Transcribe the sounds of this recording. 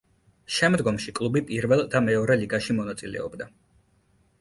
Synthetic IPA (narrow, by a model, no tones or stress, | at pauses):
ʃɛmd̪ɡɔmʃikʼlˠubipʼiɾvɛlˠd̪amɛɔɾɛliɡaʃimɔnat̪sʼilɛ̰ɔ̰bd̪a